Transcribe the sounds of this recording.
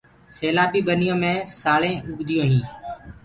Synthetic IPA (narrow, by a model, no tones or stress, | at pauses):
seːlaːbiːɓənɪjõːmẽːsaːɭẽːʔʊɡd̪ɪjõːɦĩː